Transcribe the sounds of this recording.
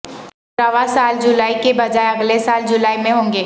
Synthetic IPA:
aʋasaːld͡ʒʊlaːikebɐd͡ʒaːeɐɡlesaːld͡ʒʊlaːimẽɦõːŋɡeː

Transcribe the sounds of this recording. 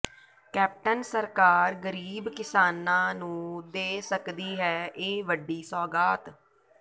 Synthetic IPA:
kɛːp̚ʈənsəɾkaːɾɡəɾiːbkɪsaːnãːnũːd̪eːsəkd̪iːɦɛːʔeːʋəɖːiːsɔːɡaːt̪

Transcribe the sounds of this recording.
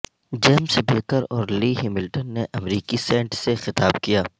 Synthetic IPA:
d͡ʒeːmsebeːkəɾɔːɾliːɦɪmɪlʈənːeʔɐmɾiːkisɛ̃ːɳʈsexɪt̪aːbkijaː

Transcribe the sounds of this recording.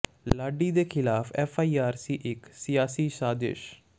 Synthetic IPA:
laːɖiːd̪eːkʰɪlaːfʰɛːfʰaːiːaːɾsiːʔɪksɪjaːsiːsaːd̪ɪ̰ʃ

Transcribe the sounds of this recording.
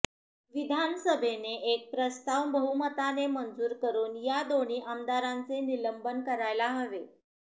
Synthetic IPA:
ʋid̪ʱansəbʱeneʔek̚pɾəst̪aʋbəɦumət̪anemənd͡zuːɾkəɾuːnjad̪oɳiːʔəmd̪aɾant͡seniləmbənkəɾajlaɦəʋe

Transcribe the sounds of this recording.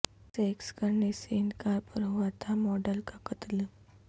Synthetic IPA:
sɛːkskɐɾneseɪnkaːɾpɐɾɦuat̪ʰamɔːɖəlkakɐt̪l

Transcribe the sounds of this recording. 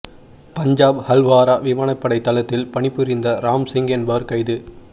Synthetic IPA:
pɐɲd͡ʒaːbhɐlʋaːɾaːʋɪmaːɳɐpːɐɽɐɪt̪ːɐlɐt̪ːɪlpɐɳɪpːɯɾɪnd̪ɐɾaːmsɪŋɡɐnbɐɾkɐɪðɯ

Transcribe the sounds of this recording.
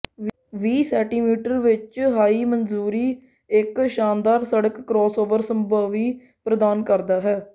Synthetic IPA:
ʋiːsɛːʈiːmiːʈəɾʋɪt͡ʃɦaːiːmənzuːɾiː | ɪkʃaːnd̪aːɾsəɽəkːɾɔːsoːʋəɾsəmbaːʋiː | pɾəd̪aːnkəɾd̪aːɦɛː

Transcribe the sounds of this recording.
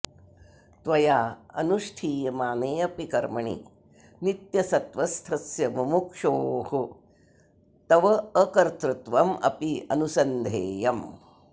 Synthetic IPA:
t̪ʋɐjaːɐ̰nuʂʈʰiːjɐmaːneːɐpikɐɾmɐɳḭ | nit̪jɐsɐt̪ʋɐst̪ʰɐsjɐmɐmukʂoːhu | t̪ɐʋɐəkɐɾt̪ɾut̪ʋɐmɐ̰piɐ̰nusɐnd̪ʱeːjɐm

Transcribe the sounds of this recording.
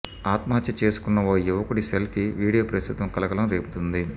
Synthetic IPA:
aːt̪mɐɦɐt̪jɐt͡ʃe̞ːsu̥kunːɐoːjuʋɐkuɽiselkiʋiːɽijoːpɾɐst̪ʰut̪ʋɐmkɐlɐkɐlɐmɾe̞ːpu̥t̪und̪i

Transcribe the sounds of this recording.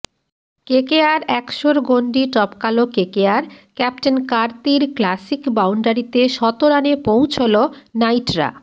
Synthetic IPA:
kekeaɾɛkʃoɾɡoɳɖiʈɔpkalokekeaɾkɛp̚ʈenkaɾt̪iɾklasikbawɳɖaɾit̪eʃɔt̪oɾanepow̃t͡ɕʰolonajʈɾa̰

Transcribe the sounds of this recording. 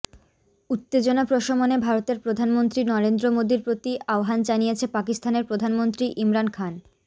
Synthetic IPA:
ut̪ːed͡ʑonapɾoʃomonebʱaɾot̪eɾpɾod̪ʱanmont̪ɾinɔɾend̪ɾomod̪iɾpɾot̪iaoɦand͡ʑanijet͡ɕʰepakist̪ʰaneɾpɾod̪ʱanmont̪ɾiʔimɾankʰan

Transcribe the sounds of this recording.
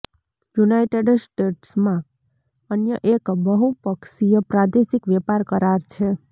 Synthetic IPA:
junajʈeɖsʈeʈsmã | ənjəʔekbəɦupəkʃijəpɾad̪esikʋɛpaɾkəɾaɾt͡ʃʰe

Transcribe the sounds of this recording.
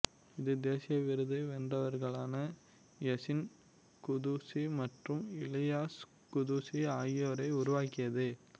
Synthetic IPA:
ɪðɯd̪eːsɪjɐʋɪɾɯðɐɪʋɛndɐʋɐɾɣɐɭaːnɐ | jɛsɪn | kʊðusimɐʈrɯmɪlɪjaːs | kʊðusiaːjɪoːɾɐɪʊɾʊʋaːkɪjɐðɯ

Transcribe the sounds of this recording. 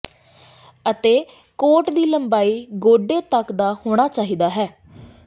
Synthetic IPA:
ət̪eː | koːʈd̪iːləmbaːiːɡoːɖeːt̪əkd̪aːhoːɽ̃aːt͡ʃaːɦiːd̪aːɦɛː

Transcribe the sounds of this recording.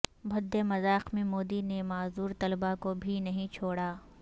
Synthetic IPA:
bʱɐd̪ːemɐzaːqmẽmoːd̪inemaːzuːɾt̪ɐlbakobʱinɐɦĩt͡ʃʰoːɽaː

